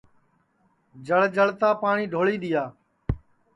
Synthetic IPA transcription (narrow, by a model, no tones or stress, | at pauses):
d͡ʒəɭd͡ʒəɭt̪ãːpaːɳiːɖʱoːɭiːɗ̪ɪjaː